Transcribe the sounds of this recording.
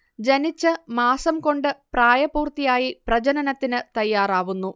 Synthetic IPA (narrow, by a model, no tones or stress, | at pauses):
d͡ʑɐnit͡ɕːɨmaːsɐmko̞ɳɖɨpraːjɐpuːrt̪ijaːjiprɐd͡ʑɐnɐnɐt̪ːinɨt̪ɐjːaːraːʋunːu